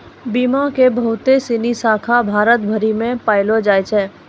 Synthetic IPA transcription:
bimakebəɦʊt̪esinisaːkʰabʱaːɾət̪bʱəɾimẽpaːɪlod͡ʒaːjt͡ʃʰɛː

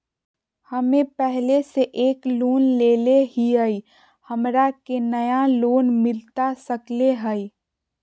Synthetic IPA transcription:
həmẽpɛɦleseʔeːkloːnleːleɦiəi | həmɾakenəjaloːnmɪlt̪asəkleɦəi

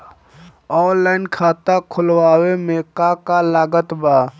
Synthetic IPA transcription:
ɔːlaːɪnkʰaːt̪akʰʊlwaːwemeːkakalaːɡət̪baː

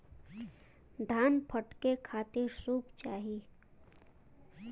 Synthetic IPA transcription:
d̪ʱaːnpʰəʈkekʰaːt̪ɪɾsuːpt͡ʃaːɦiː

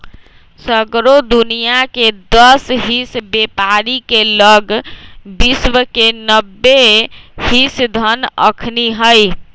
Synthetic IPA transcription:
səɡɾod̪unijaked̪əsɦisbepaɾikeləɡbiswəkenəbːehisd̪ʱənə̰kʰniɦəj

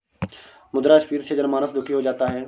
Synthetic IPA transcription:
mʊd̪ɾaːɪspiːɾsed͡ʒənmaːnəsd̪ʱʊkʰiɦoːd͡ʒaːt̪aɦɛː

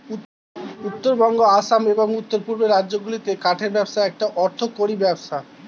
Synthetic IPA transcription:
u | ut̪ːoɾbɔŋɡoaʃameboŋut̪ːoɾpuɾbeɾadːoɡulit̪ekaʈʰeɾbɛbʃaɛk̚ʈaʔɔɾt̪ʰokoɾibɛbʃa

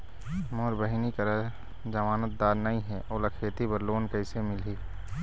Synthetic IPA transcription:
moːɾbəɦɪnikɐɾa | d͡ʒɐmaːnət̪̚d̪aːɾnɐĩɦɛʔoːlakʰeːt̪ibəɾloːnkɐɪsemɪli

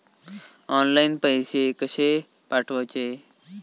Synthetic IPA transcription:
oːnlainpəjseːkəʃeː | paʈʰʋoːt͡ʃeː

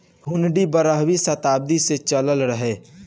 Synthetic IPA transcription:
ɦʊnɖibəɾəɦwisɐt̪aːb̚d̪iset͡ʃələlɾəɦeː

